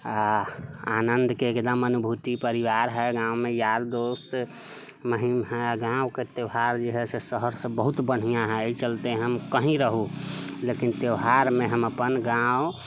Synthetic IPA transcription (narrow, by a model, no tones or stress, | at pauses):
aanənd̪ʱkeːkd̪əmənubʱut̪ipəɾiʋaɾɦɛɡãwmejaɾd̪ost̪ | məɦimɦɛaɡãʊket̪eɦaɾd͡ʒeɦɛsesəɦəɾsə̃bəɦut̪bəɽ̤ijãɦɛt͡ʃəlt̪eɦəmkəɦĩɾəɦulekint̪eɦaɾmeɦəməpənɡaʊ